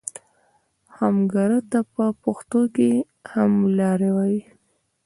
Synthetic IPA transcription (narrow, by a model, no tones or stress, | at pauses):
hamɡɑɾət̪apəpoxt̪oke | hamlɑɾewaji